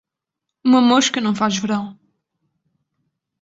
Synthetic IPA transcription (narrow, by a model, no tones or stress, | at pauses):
umɐmoʃkɐnɐ̃w̃faʒvɨɾɐ̃w̃